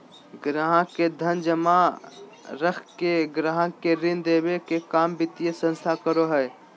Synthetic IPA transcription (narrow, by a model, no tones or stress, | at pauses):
ɡɾaɦãked̪ʱənd͡ʒəma | ɾəkʰkeɡɾaːɦãkeɾɪnd̪eːbekekaːmbɪt̪ijesə̃nst̪ʰakəɾoɦɛe